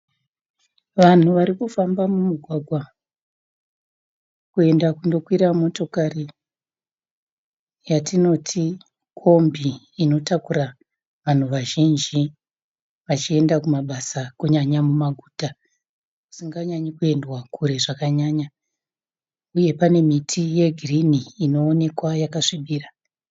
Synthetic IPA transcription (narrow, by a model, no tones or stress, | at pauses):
ʋan̤uʋaɾikufambamumuɡʱwaɡʱwa | kue̞ndakundo̞kwiɾamo̞to̞kari | jatino̞tʰi | kʰo̞mbʱiː | no̞takuɾa | ʋan̤uʋaʒind͡ʒi | ʋat͡ʃie̞ndakumaɓasakuɲaɲamumaɡʱuːta | ku̥siŋɡaɲaɲikue̞ndwakʰuɾe̞ʐakaɲaːɲa | uje̞pane̞mitʰije̞ɡʱiriniːno̞ːne̞kwajakaʂiɓiːra